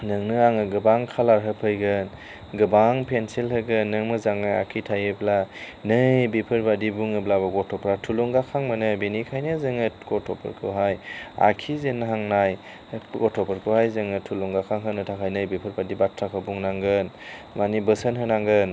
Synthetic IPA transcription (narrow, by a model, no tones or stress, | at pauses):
nɯŋnɯaŋɯɡɯbaŋkʰalaɾɦɯpʰɯjɡɯn | ɡɯbaŋpʰensilɦɯɡɯnːɯŋmɯzaŋɯa̰kʰitʰajɯbla | nɯjbipʰɯɾbadibuŋɯblaβɯɡɔtʰɔpʰɾatʰuluŋɡakʰaŋmɯnɯbinikʰajnɯzɯŋɯɡ̥ɔtʰɔpʰɯ̰ɾkʰɯ̰ɦaja̰kʰizenɦaŋnaj | ɡɔtʰɔpʰɯɾkʰɯhajzɯŋɯtʰuluŋɡakʰaŋɦɯnɯtʰakʰajnɯjbipʰɯɾbadibatʰɾakʰɯbuŋnaŋɡɯnmanibɯsənɦɯnaŋɡɯn